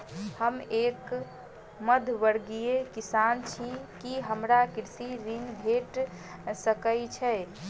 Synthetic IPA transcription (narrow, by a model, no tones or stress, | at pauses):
həmeːk | məd̪ʱʋəɽɡijekisant͡ʃʰikiɦəmɾakiɾsiɾinbʱeʈ | səkət͡ʃʰɛ